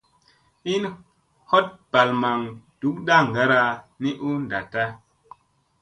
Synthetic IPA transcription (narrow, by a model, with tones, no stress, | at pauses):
i˦n | ho˦t̚pa˨lma˨ŋd̥u˨˦k̚ɗa˦ŋ˨ɡa˦ɾa˦ni˦ʔu˦nda˨ta˦